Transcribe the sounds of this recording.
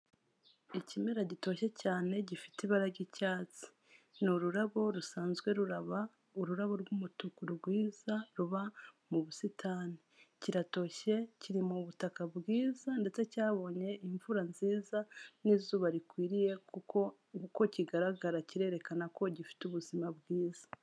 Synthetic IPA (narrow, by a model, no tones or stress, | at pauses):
icimeɾaɟito̞ːʃe̞caːne̞ɟifi̥tiβaɾaɟicaːt͡si̥ | nuɾuɾaβo̞ɾusaːnzɡwe̞ɾuɾaβa | uɾuɾaβo̞ɾɡumutukuɾuɡwiːzaɾuβamuβusitʰaːniciɾato̞ːʃe̞ciɾimuβutakabɡiːzande̞t͡se̞caːβo̞ːɲe̞iɱvuɾanziːzanizuːβaɾikwiːɾije̞kuko | uko̞ciɡaɾaɡaɾaciɾe̞ːɾe̞kanako̞ɟifi̥tuβuzimabɡiːza